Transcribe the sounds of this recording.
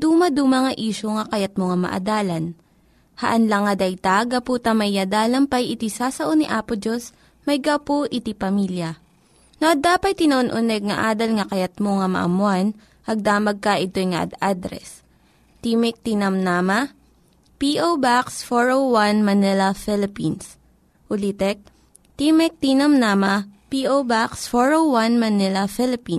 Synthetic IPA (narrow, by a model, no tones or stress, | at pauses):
d̪uːmɐd̪uːmɐŋɐʔiːʃoŋɐkɐjɐt̪̚moŋɐmɐ̰ʔɐ̰d̪aːlɐn | hɐʔɐnlɐŋːɐd̪ɐjt̪aɡɐpuːt̪ɐmɐjːɐd̪aːlɐmpɐjɪt̪isasɐʔoniʔaːpʊd͡ʒos | mɐjɡɐpoʔɪt̪ipɐmiːljɐ | noʔɐd̪aːpɐt̪̚t̪ːɪnɐʔonʔʊnɛɡ̚ŋɐʔaːd̪ɐlŋɐkɐjɐt̪̚moŋɐmɐ̰ʔɐ̰mʊan | ʔɐɡ̚d̪aːmɐɡ̚kɐʔɪt̪ojŋɐ̰ʔɐ̰d̪ad̪ɾɛ̰s | t̪imɛk̚t̪inɐmnamɐ | piʔowbaksfoɹowwanmɐnɛlɐfɛlɪpins | ʊlit̪ɛk̚ | t̪imɛk̚t̪inɐmnaːmɐpiʔowbaksfoɹowwanmɐnɛlɐfɪlɪpin